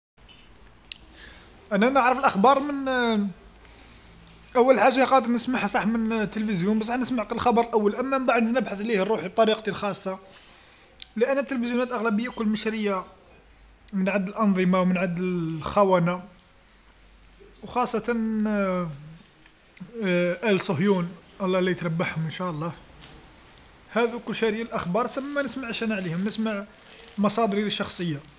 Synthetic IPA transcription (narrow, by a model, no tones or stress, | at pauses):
ʔænænəʕɾəfəlʔəxbɑɾˤmən | ʔæwːəlħaʒːaqɑd̪əɾnəsmaħhsˤɑħmənt̪ːəlfəzjunbsˤɑħnəsmaʕqəəlxɑbɑɾˤəlʔæwːəlʔæmːæbaʕd̪nəbħaθlihərˤːuħib̚t̪ˤɑɾiqt̪ilxɑsˤːɑ | ləʔænːət̪ːəlfəzjunæt̪ʔəɣlæbəjːakʊlːməʃɾəjːa | mənʕad̪ːəlʔɑnðˤəmɑwmənʕad̪ːəlxæwæna | wxɑsˤːɑt̪ɑn | ʔælsˤʊɦjunʔɑlˤːɑlijət̪ɾˤɑbːaħhʊmənʃæʔəlˤːɑh | hæd̪ukʊlːʃæɾjalʔəxbɑɾˤsəmːænəsmaʕʃænaʕlihʊmnəsmaʕ | mɑsˤɑd̪əɾiləʃːɑxsˤəjːa